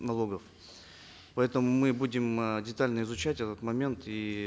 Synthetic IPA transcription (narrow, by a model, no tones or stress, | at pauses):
nɐlˠo̞ɡəf | pɐɛt̪əmʊmɨbudʲɪmdʲɪt̪alʲnəɪzʊt͡ɕætʲɛt̪ət̪mɐmʲe̞nt̪i